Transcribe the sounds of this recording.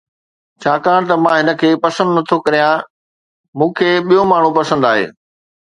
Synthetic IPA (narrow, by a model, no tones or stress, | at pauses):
t͡ɕʰaːkaːɽ̃t̪ɐmãːɦɪnə̆kʰeːpɐsə̃nd̪nɐt̪ʰokɐɾijã | mũːkʰeːɓijomaːɳ̤ũpɐsə̃nd̪aːɦḛː